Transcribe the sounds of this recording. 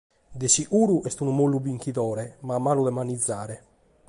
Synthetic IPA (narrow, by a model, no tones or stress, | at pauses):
d̪esiʔuːɾuʔɛst̪unumolːubiŋkiðɔːɾɛmaːmːaːluðɛmanid̪zːaːɾɛ